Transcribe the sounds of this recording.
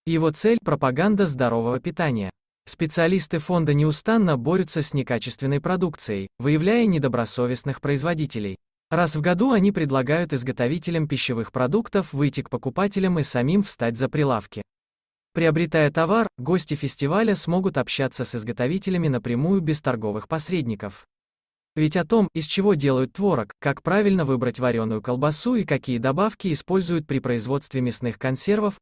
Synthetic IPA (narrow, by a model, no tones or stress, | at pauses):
jɪvo̞t̪sɛlʲpɾəpɐɡand̪əzd̪ɐɾo̞vəvəpʲɪt̪anʲɪjə̰ | spʲɪt̪sɨɐlʲist̪ɨfo̞nd̪ənʲɪʊst̪anːəbo̞ɾʲʊt̪sːəsʲnʲɪkat͡ɕɪst̪vʲɪnːəjpɾɐd̪ukt̪sɨjəjvɨjɪvlʲæjənʲɪd̪əbɾɐso̞vʲɪsnɨxpɾəɪzvɐdʲitʲɪlʲɪ̰j | rasvɡɐd̪uɐnʲipɾʲɪd̪lˠɐɡajʊt̪ɨzɡət̪ɐvʲitʲɪlʲəmpʲɪɕːɪvɨxpɾɐd̪ukt̪əfvɨjtʲɪk̚pəkʊpatʲɪlʲəmɨsɐmʲimfst̪at̚ʲzəpɾʲɪlˠafkʲɪ | pɾʲɪɐbɾʲɪt̪ajət̪ɐvarɡo̞sʲtʲɪfʲɪsʲtʲɪvalʲəsmo̞ɡʊt̪ɐpɕːat̪səsɨzɡət̪ɐvʲitʲɪlʲɪmʲɪnəpɾʲɪmujʊbʲɪst̪ɐrɡo̞vɨxpɐsʲɾʲedʲnʲɪkəf | vʲɪtʲɐt̪o̞mɪsʲt͡ɕɪvo̞dʲe̞lˠəjʊt̪ːvo̞ɾəkːakpɾavʲɪlʲnəvɨbɾətʲvɐɾʲo̞nːʊjʊkəlˠbɐsuikɐkʲijəd̪ɐbafkʲɪːspo̞lʲzʊjʊt̪̚pɾʲɪpɾəɪzvo̞t̪st̪vʲɪmʲɪsnɨxkɐnsʲe̞rvəf